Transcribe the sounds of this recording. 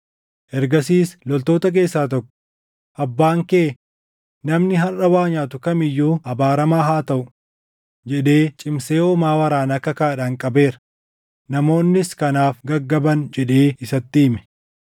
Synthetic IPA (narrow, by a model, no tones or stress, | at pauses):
ʔɛɾɡɐsiːslɔlt̪oːt̪ɐk̬e̞ːsːaːt̪̬ɔkːɔ̥ | ʔɐbːaːŋkeː | nɐmnɪɦɐrɐwaːɲaːt̪ʊkɐmɪjːuːhɐbaːɾɐmaːɦaːt̪ɐʔʊ | d͡ʒɛᶑe̞ːt͡ʃʼɪmse̞ːɔmaːwɐɾaːnɐkːɐkaːᶑaŋkʼɐbe̞ːɾɐ | nɐmo̞ːnːɪskɐnaːfɡɐɡːɐbɐnd͡ʒɛᶑeːɪsɐt̪ːiːmɛ̥